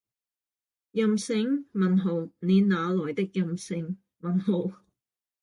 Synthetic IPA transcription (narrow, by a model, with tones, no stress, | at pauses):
jɐ˨msɪ˨˧ŋmɐ˨nɦo˨˩wne˨˧naː˨˧lɔː˨˩jt̪ɪ˥k̚jɐ˨msɪ˧ŋ | mɐ˨nɦo˨˧w